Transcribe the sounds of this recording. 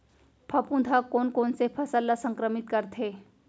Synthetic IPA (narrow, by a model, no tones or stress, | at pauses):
pʰɐpũd̪ʱakoːnkoːnsepʰɐsəlːasə̃ŋkɾəmɪt̪kəɾt̪ʰɦeː